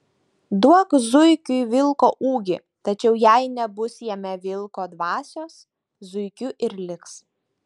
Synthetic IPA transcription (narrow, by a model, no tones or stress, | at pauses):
d̪uɔkzʊɪkʲʊjʋʲɪlˠkoːʔuːɡʲɪ | t̪ɐt͡ʃʲɛʊjæɪnʲɛbʊsjɛmʲɛʋʲɪlˠˑkoːd̪ʋɑːsʲoːs | zʊɪkʲʊʔɪɾlʲɪks